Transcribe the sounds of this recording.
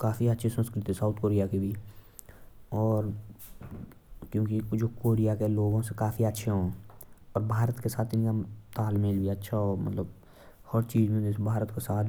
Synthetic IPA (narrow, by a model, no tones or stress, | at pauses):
kaːfʰiətːʃʰesə̃nskɾɪt̪isaːʊt̪ʰkoːɾijakibʱi | ɔːɾ | kjõːkid͡ʒoːkoːɾijakeloːɡõsekaːfʰiətːʃʰeɦõːɔːɾbʱaːɾət̪kesaːt̪ɪnkat̪aːlmeːlbʱiətːʃʰaɔːɾmə̰t̪ləb | hɔɾt͡ʃiːzmẽesbʱaːɾət̪kesaːt̪